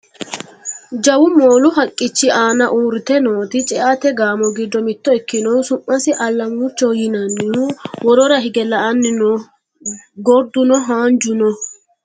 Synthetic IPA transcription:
d͡ʒɐwʊmo̞ːlʊɦɐkʼːɪt͡ʃːɪʔaːnɐʔuːɾt̪ɛno̞ːt̪ɪt͡ʃʼɛʔat̪ɛɡaːmɔɡɪd̪ːɔmɪt̪ːɔɛkːɪnɔwsʊmːɐsɪʔɐlːɐmʊt͡ʃːɔwjɪnɐnːɪuwɔɾɔɾɐɦɪɡɛlɐʔɐnːɪnɔ | ɡɔɾd̪ʊnɔɦaːnd͡ʒʊnɔ

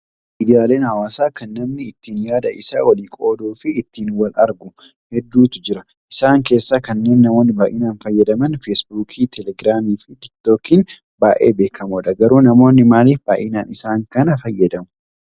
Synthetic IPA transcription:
miːd̪ɪjaːle̞ːnhɐwaːsaːkɐnːɐmnɪːt̪ːiːnjaːd̪ɐɪsa̰ːwɐliːkʼo̞ːd̪uːfɪːt̪ːiːnwɐlʔɐ̰ɾɡʊ | hɛd̪ːuːt̪ʊ̥d͡ʒɪɾɐ | ʔɪsaːŋke̞ːsːaːkɐnːe̞ːnːɐmo̞ːnːɪbaːʔɪnaːnfɐjːɐd̪ɐmɐnfeːsbuːkʰiːt̪ʰɛlɛɡɾaːmiːfɪt̪ɪkt̪oːkiːn | baːʔḛːbe̞ːkʰɐmuːᶑɐɡɐɾuːnɐmo̞ːnːɪmaːliːfbaːʔɪnaːnɪsaːŋkɐnɐfɐjːɐd̪ɐmʊ̥

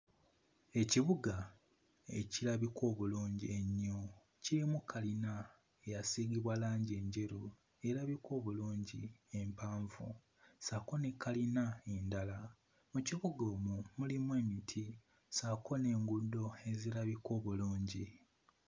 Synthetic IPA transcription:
e̞ciβuɡa | e̞̰ciɾaβiko̞ːβuluːɲɟieɲːo | ciimukʰalina | ejasiːɡiβwalaːɲɟie̞ɲɟe̞ɾu | e̞ɾaβiko̞ːβuluːɲɟie̞mpaːɱvṵ | sako̞nekʰalinaendala | muciβuɡo̞ːmumulimwe̞ːmitʰi | sakʰo̞ne̞ːŋɡudːo̞e̞zilaβiko̞ːβuluːɲɟi

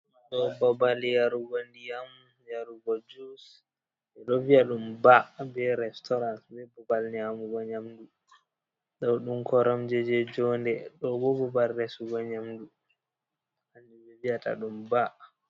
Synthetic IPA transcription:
ɗɔbabaljaɾuɡɔndijamu | jaɾuɡɔd͡ʒus | dɛɗɔviaɗumbabɛɾɛstɔɾansbɛbabalɲamuɡɔɲamdu | ɗɔwɗumkʰɔɾamd͡ʒɛd͡ʒɛd͡ʒɔndɛɗɔbɔbɔbalɾɛsuɡɔɲamdu | anːibɛviata̰ɗumba

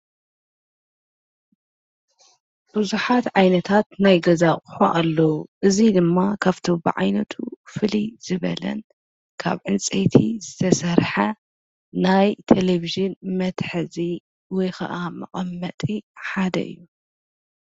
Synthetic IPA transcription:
b̥ɨzuħat̪ʕajnɐt̪ʰat̪najɡɐzaχʼu̥ħoʔalːɐwuʔɨzid̪ɨmːakʰaβt̪ʰobɨ̰ʕa̰jnɐt̪ʰufɨliz̥ɨβɐ̰lɐ̰n | kʰa̰βʕɨnt͡sʼet̪ʰizɨt̪ʰɐsɐɾħɐ | najt̪ʰeleviʒɨnmɐt̪ħɨzi | wɔjxɐ̰ʔamɐχʼɐmːɐt̪ʼiħad̪ɐ̰ʔɨ̰jːu

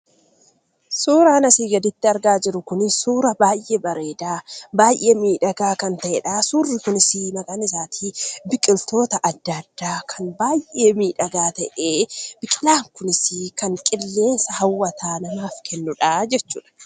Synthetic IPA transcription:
suːɾaːnɐsiːɡɐd̪ɪt̪ːɪɐɾɡaːd͡ʒɪɾʊkʊnɪsuːɾɐbaːjʔebɐɾeːd̪aːbaːjʔeːmiːᶑɐɡaːkɐnt̪ɐʔɛᶑaːsuːrːɪkʊnɪsinɐɡʼaːnɪsaːt̪ʰiːbɪkʼɪlt̪o̞ːt̪ɐʔɐd̪ːɐd̪ːaːkʰɐnbaːjʔe̞ːmiːᶑɐɡaːt̪ɐʔeːb̥ɪkʼɪlaːŋkʊnɪsikɐŋkʼɪlːe̞ːnsɐhɐwːɐt̪ʰaːnɐmaːfkʰɛnːʊᶑaːd͡ʒɛt͡ʃːuːᶑɐ̥

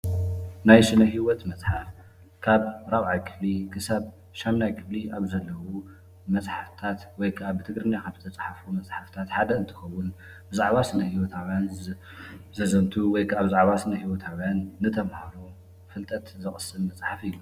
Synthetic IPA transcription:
najsɨnɐɦiwɔt̪mɐt͡sʼħaf | kʰaβɾaβʕajkʰɨflikʰɨsaβ | ʃamnajkʰɨbliʔaβzɐlːɐwu | mɐt͡sʼħaft̪ʰat̪wɔjkʰaβt̪ʰɨɡɾɨnjakʰabzɨt̪ʰɐt͡sʼħafumɐt͡sʼħaft̪ʰat̪ħad̪ɐɨnt̪ʰɨ̥xɐwːʊn | bɨzaʕβasɨnɐhiwɔt̪ʰawjan | zɐzɐnt̪ʰuwɔjkʰaβzaʕβasɨnɐhiwɔt̪ʰawjanːɨt̪ʰɐmhaɾu | fɨlt̪ʼɐt̪zɨxʼɨsːɨlmɐt͡sʼħafilːu

